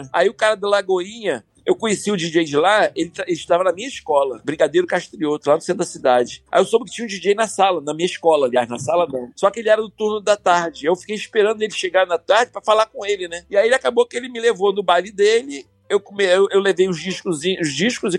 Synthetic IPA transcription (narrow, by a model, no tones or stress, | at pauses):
a̰iʊkaɾɐd̪alaɡoĩɲɐ | ewkõɲesiʊd͡ʒid͡ʒejd͡ʒɪlaelɪt̪aelɪʃt̪avɐnɐmĩɲɐiʃkɔlɐbɾĩɡad̪ejɾʊkaʃt̪ɾiot̪ʊlanʊsẽnt̪d̪ɐsid̪ad͡ʒɪa̰ewsõbɪkɪ̥t͡ʃĩɲũd͡ʒid͡ʒejnɐsalɐnɐmĩɲɐiʃkɔlɐaliaznɐsalɐnɐ̃w̃sɔkɪelɪɛɾɐd̪ʊt̪uɾnʊd̪ɐt̪aɾd͡ʒɪewfi̥kejiʃpeɾɐ̃d̪ʊelɪʃeɡaɾnɐt̪aɾd͡ʒɪpɾɐfalakõelɪnɛɪaielɪakabokɪelɪmɪlevonʊbajlɪd̪elɪ | ewkomeewewlevejʊzd͡ʒiʃkʊziʊzd͡ʒiʃkʊzɪ